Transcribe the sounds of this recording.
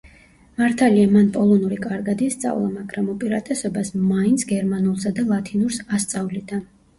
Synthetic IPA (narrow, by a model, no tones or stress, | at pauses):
maɾt̪ʰaliamanpʼɔlˠɔnuɾikʼaɾɡad̪it̪sʼa̰vlˠamaɡɾamupʼiɾat̪ʼɛsɔbasmaint̪sʰɡɛɾmanulˠsad̪alˠat̪ʰinuɾsast̪sʼavlid̪a